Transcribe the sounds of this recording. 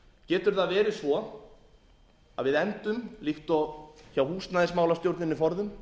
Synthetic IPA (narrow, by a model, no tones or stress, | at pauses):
cɛːt̪ʏɾ̥θaðvɛːɾɪsvɔ | a̰ðvɪðɛnt̪ʏmliht̪ɔçaːwhuːst̪naːðɪsmaːwlast̪jowɾt̪nɪnːɪfɔɾðʏm